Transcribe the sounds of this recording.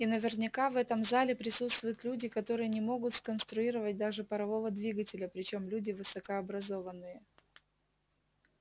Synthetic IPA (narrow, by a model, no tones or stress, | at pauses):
inəvʲɪrnʲɪkavɛt̪əmzalʲɪpɾʲɪsut̪st̪vʊjʊt̪lʲudʲɪkɐt̪o̞ɾɨjənʲɪmo̞ɡʊt̪skənst̪ɾʊiɾəvət̚ʲd̪aʐɨpəɾɐvo̞vəd̪vʲiɡətʲɪlʲəpɾʲɪt͡ɕo̞mlʲudʲɪvɨsəkəɐbɾɐzo̞vənːɨjə